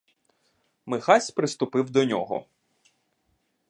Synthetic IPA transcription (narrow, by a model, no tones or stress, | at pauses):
mɪxɑsʲpɾɪst̪ʊpɪwd̪ɔnʲɔ̰ɦɔ̰